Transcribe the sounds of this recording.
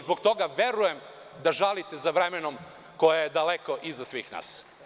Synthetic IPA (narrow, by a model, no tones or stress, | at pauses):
zbokt̪o̞ɡaʋe̞ɾujem | d̪aʒalit̪ezaʋɾemeno̞m | ko̞jajed̪aleko̞ʔizasʋḭːxna̰ːs